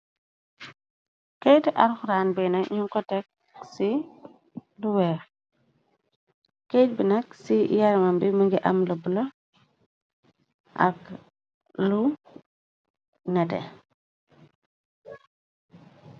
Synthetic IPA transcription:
kɛjtɛʔɐɾxuɾaːnbɛnɐɲuŋkɔtɛk̚ | si | luwɛːx | kɛt̚binɐksijaɾmɐmbiməŋɡiʔɐmlubulɔ | ʔɐ̰k | lu | nɛtɛ̰

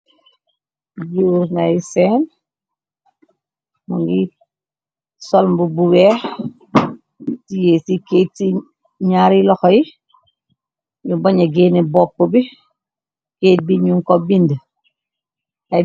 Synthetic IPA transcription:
d͡ʒuɾŋaiseːn | muŋɡi | solmbubuwe | tijesiketi | ɲaːɾiloxoji | ɲubaɲaɡeːnibopːubi | keːt̚biɲuŋkobind | a

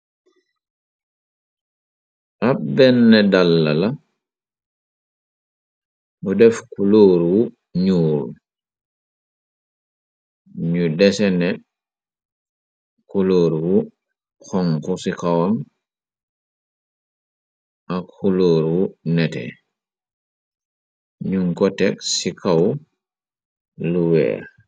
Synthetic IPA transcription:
ʔabɛnːɛdalːala | ʔɔdɛfkuloːɾwu | ɲuːl | ɲudɛsɛnɛ | kuloːɾwu | xɔŋkusikawam | ʔakxuloːɾwunɛtɛ̰ | ɲuŋkɔtɛksikaw | luwɛ̰ː

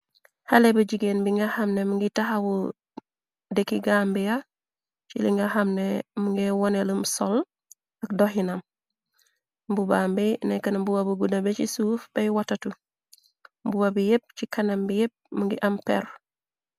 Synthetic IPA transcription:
halebɐɟiɡenbiŋɡahamnemuŋɡitaɦawu | dekiɡambija | t͡ʃḭliŋɡahamnemuŋɡewɔneləmsol | ɐkdoɦinam | mbubambinekɐnmbuwabuɡudabet͡ʃisuːfb̥ɐjwatatu | mbuwabijep̚t͡ʃikɐnambijep̚muŋɡiʔampḛɾ

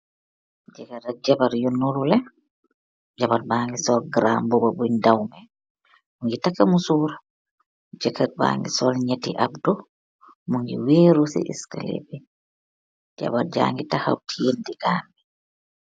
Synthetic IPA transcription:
d͡ʒɛɡaɾad͡ʒabaɾjunːuɾulɛ | d͡ʒabaɾbaːŋɡisɔlɡɾa̰mbɔbabundawmɛ | muŋɡitakamusuɾa | d͡ʒɛkaɾba̰ːŋɡisɔlɲetḭʔabdɔ | muŋɡḭweːɾusɛ̰ʔḭska̰lḛbɛ | d͡ʒa̰baɾd͡ʒa̰ːŋɡitaha̰wtʰijendiɡaːmbi

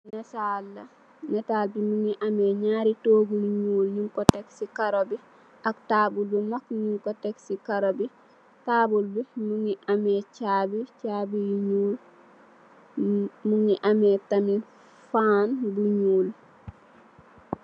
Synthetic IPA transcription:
nɛsalːa | nɛtalbimuŋiʔamɛɲaːɾitoɡunɲuːlɲuŋkɔtɛksikaɾobi | ʔaktaːbuldumakɲuŋkɔtɛksikaɾobi | taːbulbumuŋiʔamɛt͡ʃabit͡ʃabijɲuːl | muŋiʔamɛtami | fanbuɲuːl

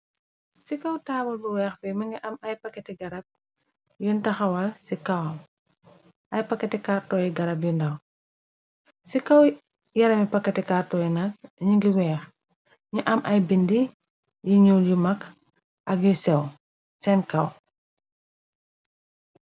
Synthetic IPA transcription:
sikɐwtaːbɐlbuwɛːxfɛmɐŋɡiʔɐmɐjpɐkːɐtiɡɐɾɐp̚ | juntɐxɐwɐlsikɐwɐm | ʔɐjpɐkːɐtikaːrtɔːjiɡɐɾɐp̬jundɐw | sikɐw | jɐɾɐmipɐkːɐtikaːrtɔːjinɐkɲuŋɡiwɛːx | ɲuʔɐmʔɐjbindi | jiɲuljumɐk | ʔɐk̚jusɛw | sɛnkɐw

